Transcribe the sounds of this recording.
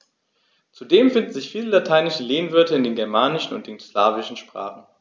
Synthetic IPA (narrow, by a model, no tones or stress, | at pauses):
t͡sudeːmfɪndn̩zɪçfiːləlatʰaɪnɪʃəleːnvʏɐtəɪndeːnɡɛɐmaːnɪʃn̩ʊ̰ntd̥eŋslaːvɪʃn̩ʃpʁ̥a̰ːχn̩